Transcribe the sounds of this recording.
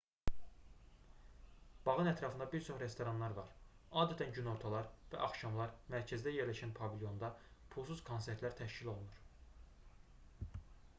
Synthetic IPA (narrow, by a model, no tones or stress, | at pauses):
b̥ɑʁɯnæt̪ʰɾɑfɯnd̪ɑbiɾt͡ʃʰo̞χɾe̞st̪o̞ɾɑnlˠɑɾvɑɾ | ɑːd̪æt̪ʰænɟyno̞ɾt̪ʰɑlˠɑɾvæ̰ʔɑχʃɑmlˠɑɾmæɾcʰæzd̪æje̞ɾlæʃænpʰɑvilʲjo̞nd̪ɑpʰulˠsuz̥kʰo̞nse̞ɾt̪læɾt̪ʰæʃcilo̞lˠunuɾ